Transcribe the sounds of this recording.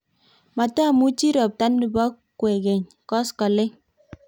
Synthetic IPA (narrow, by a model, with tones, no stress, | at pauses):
ma˨ta˦˨mu˦t͡ʃi˦ɾɔ˨p̚ta˦ndi˨ba˦kʷːwe˨ɡe˨ɲ | kɔ˦skɔ˨lɪ˦